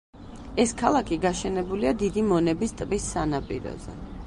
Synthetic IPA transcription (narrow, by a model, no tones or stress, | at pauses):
ɛskʰalˠakʰiɡaʃɛnɛbuliad̪id̪imɔnɛbist̪ʼvisːanapʼiɾɔ̰zɛ̰